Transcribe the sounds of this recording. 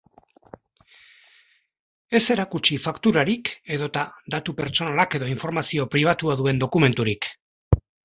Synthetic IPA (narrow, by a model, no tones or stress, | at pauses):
e̞se̞ɾakut͡ʃifakt̪uɾaɾike̞ðo̞t̪ad̪at̪upe̞ɾt͡ʃo̞nalake̞ðo̞iɱfo̞ɾmasio̞pɾiβ̞at̪uaðue̞nd̪o̞kume̞nt̪uɾik